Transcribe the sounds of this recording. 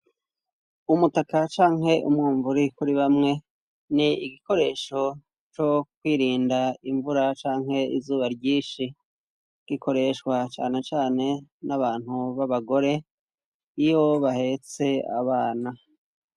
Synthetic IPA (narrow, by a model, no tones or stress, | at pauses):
umutakat͡ʃaːŋɦe̞ʔumŋuːɱvuɾikuɾiβamŋe̞ | niiɡiko̞ɾe̞ːʃo̞ | t͡ʃo̞kwiːɾiːndaiɱvuɾat͡ʃaːŋɦe̞ḭzuːβaɾɟiːʃi | ɡ̥ikʰo̞ɾe̞ʃkwat͡ʃa̰ːne̞t͡ʃaːne̞naβaːn̥huβaβaɡo̞ɾe̞ | ijoβahe̞t͡se̞a̰βaːna